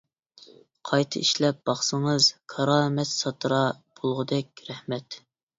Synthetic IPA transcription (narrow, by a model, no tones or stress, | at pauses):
qʰɑjt̪ʰɨiʃlɛp̚b̥ɑχsɨɴəzkʰɑɾɑːmɛt̪sɑt̪ʰɾɑ | b̥olˠʁəd̪ɛk̚ʲɾɛhmɛt̪